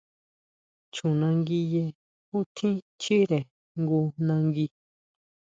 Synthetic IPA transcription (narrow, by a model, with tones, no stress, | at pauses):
t͡ʃũ˨nã˧ŋɡi˧je˧ | u˦t̪ʰĩ˦ | t͡ʃi˦ɾe˨ | ŋɡu˧nã˧ŋɡi˧